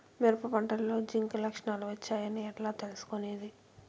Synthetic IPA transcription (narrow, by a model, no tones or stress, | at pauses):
meɾpɐpɐɳʈɐlːo̞ːd͡ʒiŋkɐlɐkʂɳaːluʋɐt͡ʃːaːjɐniɛʈlaːt̪e̞lusu̥koneːd̪i